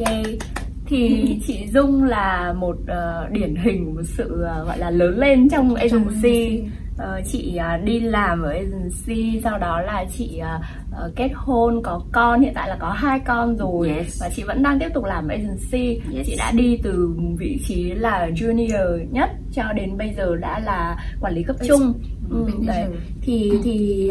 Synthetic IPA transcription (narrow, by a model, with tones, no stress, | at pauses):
t̪ʰi˨˩t͡ɕḭ˧˨zʊ˧ŋ͡mlaː˨˩mo˨˩t̚ʔəː˨˩ | ɗi˧˩ənɦï˨˩ŋ̟o˨˩t̚sɨ̰˧˨ə˨˩ɣɔ̰˧˨jlaː˨˩ləː˨˦nle˧nt͡ɕɔ˧wŋ͡mʔe˧zʊ˨˩si˧ | ʔəː˨˩t͡ɕḭ˧˨əː˨˩ɗi˧laː˨˩mʔəː˨˩ʔe˧zɨ˨˩si˧sa˧wɗɔ˨˦laː˨˩t͡ɕḭ˧˨ʔəː˨˩ | ʔəː˨˩ke˦˥t̚ho˧nkɔ˨˦kɔ˧nhḭ˧˨nt̪a̰ː˧˨laː˨˩kɔ˨˦ɦaː˧jkɔ˧nzo˨˩jvaː˨˩t͡ɕḭ˧˨və̰˧˥nɗaː˧ŋt̪i˦˥ətʊ˨˩k̚laː˨˩mʔə˨ʔə˧zʊ˨˩si˧t͡ɕḭ˧˨ɗa̰ː˧˥ɗi˧t̪ɨ˨˩vḭ˧˨t͡ɕi˨˦laː˨˩zu˧ni˧əː˨˩ɲə˦˥t̚t͡ɕɔ˧ɗe˨˦nɓə˧jzəː˨˩ɗa̰ː˧˥laː˨˩kwaː˧˩nli˨˦kə˦˥p̚t͡ɕʊ˧ŋ͡mʔɨ˨˩ɗə˨˦t̪ʰi˨˩t̪ʰi˨˩